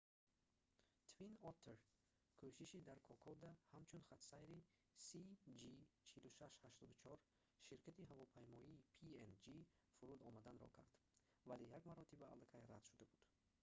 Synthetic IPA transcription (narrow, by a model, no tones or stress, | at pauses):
t̪ʰvinɔt̪ʰːeɾ | kʰoʃiʃid̪aɾkʰɔkʰɔd̪ahamt͡ʃʰunχat̪sajɾi | sid͡ʒit͡ʃʰiluʃaʃhaʃt̪ɔd̪ut͡ʃʰɔɾ | ʃiɾkʰat̪iɦavɔpʰajmɔiːpʰiend͡ʒi | fuɾud̪ɔmad̪anɾɔ̰kʰa̰ɾd̪̥ | valejaɡmaɾɔt̪iba̰ːlakʰajɾad̪̥ʃud̪abud̪̥